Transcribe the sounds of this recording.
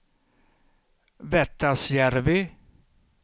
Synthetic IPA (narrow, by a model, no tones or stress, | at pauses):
vɛt̪ːasjæɾvɪ